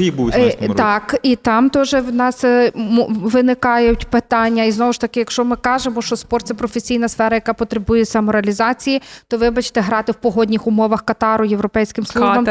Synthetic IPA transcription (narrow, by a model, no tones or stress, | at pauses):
ibut̪ɑkit̪ɑmt̪ɔʒɛwnɑs | ʋɪnɪkɑjʊtʲpɪt̪ɑnʲːɐiznɔʋʊʃt̪ɐkɪjɐkʃt͡ʃɔmɪkɑʒemɔʃt͡ʃɔspɔrt̪sɛpɾɔfesʲijnɐsfɛɾɐjɐkɑpɔt̪ɾebujɛsʲɐmɔɾeɐlʲizɑt͡sʲijit̪ɔʋɪbɐt͡ʃt̪ɛɦɾɑt̪ɪwpɔɦɔdʲnʲixʊmɔʋɐxkɐt̪ɑɾʊjeʋɾɔpɛjsʲkɪmslˠʒbɐm